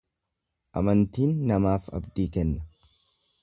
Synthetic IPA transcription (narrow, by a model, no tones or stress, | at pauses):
ʔɐ̰mɐnt̪iːnːɐmaːfɐ̰bd̪iːkɛnːɐ